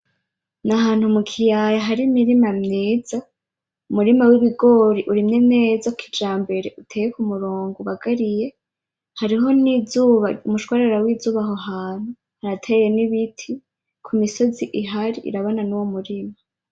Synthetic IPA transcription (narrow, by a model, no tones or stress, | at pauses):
naɦaːn̥humukʰijajaɦaɾimiɾimamɲiːz̥a | umuɾimawiβiɡo̞ɾiʔuɾimɲe̞mne̞ːzakʰid͡ʒaːmbe̞ɾe̞ʔutʰeːjekumuɾoːŋɡuβaɡaɾije̞ | haɾiɦo̞nizuːβaumuʃkwaɾeɾawizuːβaɦoɦaːn̥hu | haɾatʰeje̞niβitʰi | kʰumiso̞ziʔiɦaɾiʔḭɾaβananuwomuɾima